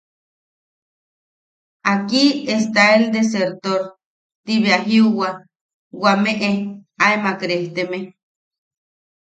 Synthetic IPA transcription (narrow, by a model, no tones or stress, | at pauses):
akiest̪aeld̪eseɾt̪oɾ | t̪iβeaɦiuwa | wameʔeaemakɾeht̪eme